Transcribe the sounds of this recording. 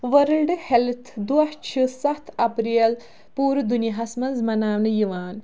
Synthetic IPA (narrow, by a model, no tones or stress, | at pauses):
ʋɐɾɨlɖɨhelt̪ʰd̪uɐht͡ʃʰisɐt̪ʰɐpɾiɐl | puːɾɨd̪unijɐɦɐsmɐnzmɐnaːʋnɨjiʋaːn